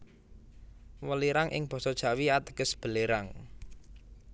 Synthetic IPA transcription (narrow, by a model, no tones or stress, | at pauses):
wəliɾaŋʔɪ̰ŋb̥ɔ̤sɔd̥ʒ̥ä̤wiat̪ə̥ɡ̥əsb̥ə̤leɾaŋ